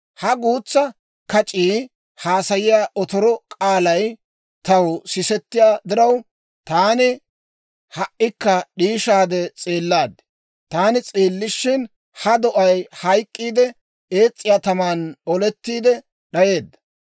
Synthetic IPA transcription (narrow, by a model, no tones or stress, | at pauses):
hɐɡuːt͡sːɐ | kɐt͡ʃʼiː | haːsɐjɪjaːʔɔt̪ɔɾɔkʼaːlɐj | t̪ɐwsɪsɛt̪ːɪjaːd̪ɪɾɐw | t̪aːnɪ | hɐʔɪkːɐɗiːʃaːd̪ɛt͡sʼeːlːaːd̪ | t̪aːnɪt͡sʼeːlːɪʃːɪn | hɐd̪ɔʔɐjhɐjkʼːiːd̪ɛ | eːt͡sʼːɪjaːt̪ɐmaːnɔlɛt̪ːiːd̪ɛ | ɗɐje̞ːd̪ːɐ̥